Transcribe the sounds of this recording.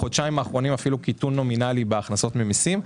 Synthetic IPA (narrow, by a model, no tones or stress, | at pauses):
od̪t͡ʃaimaːχʁo̞nimafilukitunːo̞minalibeaχnaso̞t̪memisim